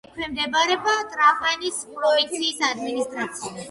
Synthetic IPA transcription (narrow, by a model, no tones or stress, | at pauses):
kʰwɛmd̪ɛbaɾɛbat̪ʼɾavmanispʼɾɔink̚t̪sʰiːsad̪minist̪ʼɾat̪sʰia